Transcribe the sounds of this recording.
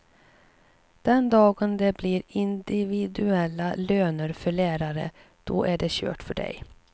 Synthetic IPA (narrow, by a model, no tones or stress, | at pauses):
d̪̥ɛnd̪ɑːɡənd̪ɛbliɾɪnd̪ɪvɪd̪ɵɛlːaløːnəɾfœɭæːɾaɾə̰ | d̪̥ɔ̰ʔæɖɛɕø̰ːʈfœɖɛ̰j